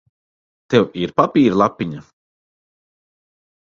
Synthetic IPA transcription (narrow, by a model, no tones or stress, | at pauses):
t̪ewiɾpapiːɾlˠapʲːiɲa